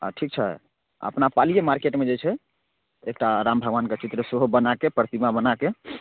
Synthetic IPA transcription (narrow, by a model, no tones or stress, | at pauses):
a̰ʈʰik̚t͡ʃʰɛ | ə̰pnapalijemaɾkeʈmed͡ʒet͡ʃʰɛ | ek̚ʈaɾambʱəɡʋanket͡ʃit̪ɾəsoɦobənakepɾət̪imabənake